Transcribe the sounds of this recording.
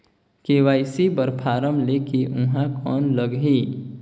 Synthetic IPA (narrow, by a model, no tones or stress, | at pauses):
kewajsibəɾpʰaɾəmlekiʔũɦãkɔnləɡɦi